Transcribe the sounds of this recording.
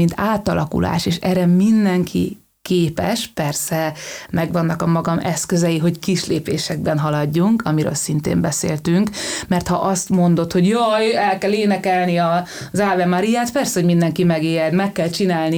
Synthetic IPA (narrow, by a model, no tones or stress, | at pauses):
int̪aːt̪ɒlɒkṵlʔa̰ːʃeːʃɛrɛmind̪ɛŋkʰḭ | keːpɛ̰ʃpɛrsɛmɛɡʋɒnːɒkɒmɒɡɒmɛskøzɛjiɦo̞ckiʃleːpeːʃɛɡ̚bɛnɦɒlɒɟːuŋkɒmiɾø̰ːlsint̪ḛːmbɛsḛːlt̪yŋkmɛrt̪hɒʔɒst̪mo̞nd̪o̞t̪ho̞ɟjojɛlkɛleːnɛkɛlniɒ | zaːvɛmaɾijaːt̪pɛrsɛhomind̪ɛŋkimɛɡeːjɛd̪mɛkːɛlt͡ʃinaːlni